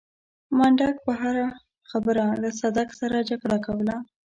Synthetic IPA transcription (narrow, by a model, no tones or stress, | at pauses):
maɳɖak̚pəɦaɾa | xabəɾalasad̪aksaɾad͡ʒaɡɽakawəla